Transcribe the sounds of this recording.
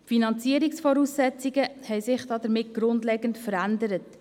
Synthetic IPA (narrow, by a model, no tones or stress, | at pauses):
finɑnt͡siəɾiksfɔɾuːsːɛt͡siɡəhɛɪsɪχd̥ɑːdəɾmɪt̚ɡ̥ɾʊndlɛːɡəntfəɾændəɾət